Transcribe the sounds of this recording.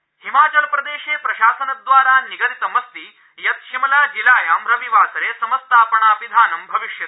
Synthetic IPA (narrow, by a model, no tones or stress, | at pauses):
himaːt͡ʃɐlpɾɐd̪eːʃeːpɾɐʃaːsɐnɐd̪ʋaːɾaːniɡɐɾit̪ɐmɐst̪i | jɐt̪̚ʃimɐlaːd͡ʒilaːjaːmɾɐʋiʋaːsɐɾeːsɐmɐst̪ʰaːpɐɳaːʋid̪ʱaːnɐmbʱɐʋiʃjɐt̪